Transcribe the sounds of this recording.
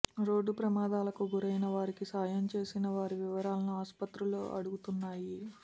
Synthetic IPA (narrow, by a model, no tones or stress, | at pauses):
ɾo̞ːɖːupɾɐmaːd̪aːlɐkuɡuɾɐjnɐʋaːɾikisaːjɐmt͡ʃe̞ːsinɐʋaːɾiʋiʋɐɾaːlɐnuaːspɐt̪ɾuloːʔɐ̰ɽuɡut̪unːaːji